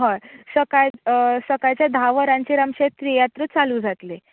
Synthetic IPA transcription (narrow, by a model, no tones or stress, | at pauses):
ɦəjsəkajsəkajt͡ɕjad̪ʱaʋəɾãɲt͡ɕeɾamɕet̪ːɾijat̪ɾət͡saluːd͡zʱat̪le